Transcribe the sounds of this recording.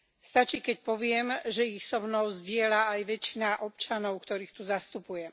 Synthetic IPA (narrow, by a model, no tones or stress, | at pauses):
st̪at͡ʃiːkɛc̚pɔʋɪɛmʒɛixsɔmnɔʊzɟɪɛlaajʋɛt͡ʃinaʔɔp̚t͡ʃanɔʊkt̪ɔɾiːxt̪uzast̪upujɛ